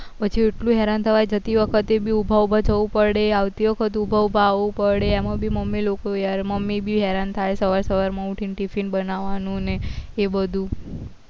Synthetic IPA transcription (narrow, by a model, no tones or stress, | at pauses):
pət͡ʃʰieʈlũɦɛɾant̪ʰəʋajd͡ʒət̪iʋəkʰət̪ebʱiubʱaubʱad͡ʒʰəʋũpəɽeaʋt̪iʋəkʰət̪̬ubʱaʋubʱaːʋũpəɽeemãbʱiməmːilokoaɾməmːibʱiɦɛɾant̪ʰaesəʋaɾsəʋaɾmãũʈʰinʈifinbənaʋanũneːbəd̪ʱũ